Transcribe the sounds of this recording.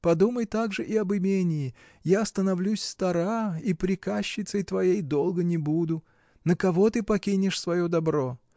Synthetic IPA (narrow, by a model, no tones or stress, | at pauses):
pɐd̪uməjt̪aɡʐɨʔɪɐbɨmʲenʲɪːɪ | jast̪ənɐvlʲusʲst̪ɐɾaipɾʲɪkaɕːɪt̪səjt̪vɐjejd̪o̞lˠɡənʲɪbud̪ʊ | nəkɐvo̞t̪ɨpɐkʲinʲɪʂsvɐjod̪ɐbɾo̞